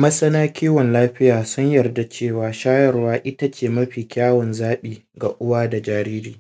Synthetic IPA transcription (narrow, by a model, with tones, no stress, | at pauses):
mɐ˦sɐ˦naː˦kʲiː˦wɔ˨nlaː˦ɸɪ˦jaː˨sʊ˦ɲjɐ˨rda˨t͡ʃeː˦˨waː˨ʃaː˦jɐ˦rwaː˦ʔɪ˦ta˦t͡ʃeː˨mɐ˦ɸiː˨kʲaː˦wɔ˨nzaː˦ɓiː˨ | ɡa˨ʔʊ˦waː˦da˨d͡ʒaː˨ɾiː˦ɾiː˦˨